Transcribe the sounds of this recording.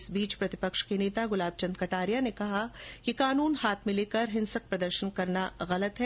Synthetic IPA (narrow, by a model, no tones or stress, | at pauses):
ɪsbiːt͡ʃpɾɐt̪ɪpɐkʃkeneːt̪aɡʊlaːb̚t͡ʃɐ̃nd̪̚kɐʈaːɾijanekɐɦakikaːnuːnhaːt̪ʰmɪ̃leːkɐɾɦɪ̃nsək̚pɾɐd̪əɾʃənkɐɾnaɣɐlət̪ɦɛ